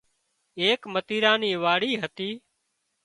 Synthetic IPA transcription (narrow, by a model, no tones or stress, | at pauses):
eːkmət̪iːɾãːniːʋaːɽiːɦət̪iː